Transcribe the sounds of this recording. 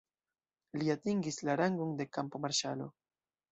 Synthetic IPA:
liat̪iŋɡislaɾaŋɡoŋde̞kampo̞maɾʃalo̞

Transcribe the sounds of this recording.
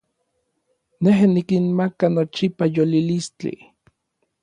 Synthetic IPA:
neɦnikinmakanot͡ʃipajolilist͡ɬḭ

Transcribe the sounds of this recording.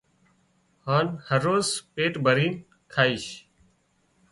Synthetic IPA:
haːnhəɾːoːzpeːʈbʱəɾiːn | kʰaːiːʃ

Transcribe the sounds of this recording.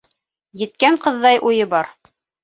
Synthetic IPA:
jɘ̆t̪̚kæɴqɤ̆ðːɑjʔujɤbɑɾ

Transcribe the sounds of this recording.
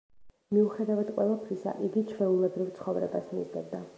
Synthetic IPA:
miuχɛd̪avad̪qʼwɛlˠap̪ʰɾisa̰ʔiɡit͡ʃʰɾɛulɛbɾivt̪sʰχɔvɾɛ̰basmḭzd̪ɛb̚d̪a

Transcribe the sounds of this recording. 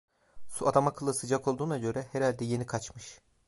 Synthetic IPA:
suad̪amakʰɯlˠɯsɯd͡ʒako̞lˠd̪uːnaɟø̞ɾɛheɾalʲd̪ɛje̞nikʰat͡ʃmɯʃ

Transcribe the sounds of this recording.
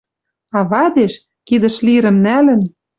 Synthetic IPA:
ɑβɑd̪eʃ | kid̪ə̆ʃliɾə̆mnælə̆n

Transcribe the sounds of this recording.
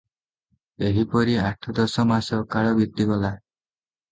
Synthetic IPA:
eɦipɔɾiaʈʰɔd̪ɔsɔmasɔkaɭɔbik̚t̪iɡɔla

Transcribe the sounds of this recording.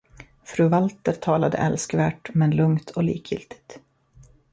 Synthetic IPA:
fɾʉːvalt̪əɾt̪ʰɑːlad̪ə̰ʔɛlskvæːʈmɛnlɵŋt̪ʰɔlḭːkʰjʏ̰lt̪ɪ̥t̪

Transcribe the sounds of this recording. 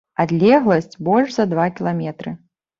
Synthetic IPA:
ad̪lʲɛɣlˠɐsʲt͡sʲbɔlʲʐzɐd̪vakʲilˠamʲɛt̪ɾɨ

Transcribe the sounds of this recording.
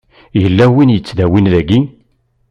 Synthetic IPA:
jəlːæwinjət͡sːðæwinlæɡi

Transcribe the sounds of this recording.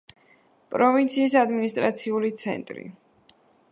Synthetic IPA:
pʼɾɔvint̪sʰiːsad̪minist̪ʼɾat̪sʰiulit̪sʰɛ̰nt̪ʼɾḭ

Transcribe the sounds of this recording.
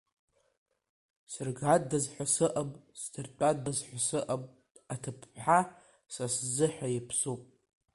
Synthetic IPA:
sɨrɡadːazħʷasɨʔamʼsdɨrt͡pʷʼadazħʷasɨʔamʼ | atʰɨpʰħa | saszɨħʷᶣajɪpʰsupʼ

